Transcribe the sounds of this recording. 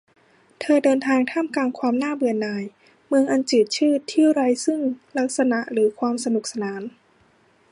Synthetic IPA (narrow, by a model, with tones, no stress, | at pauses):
t̪ʰɤː˧dɤː˧nt̪ʰaː˧ŋt̪ʰa˥˩mkaː˧nkʰwaː˧mnaː˥˩bɯː˧˨˩ənːaː˧j | mɯ˧əŋʔa˧nt͡ɕɯː˨˩t̪̚t͡ɕʰɯː˥˩t̪ʰi˥˩˨wɾa˧jsɯ˥˩ŋla˦˥k̚sa˧na˨˩ʔɾɯː˩˦kʰwaː˧msa˧nu˨˩k̚sa˧naː˩˦n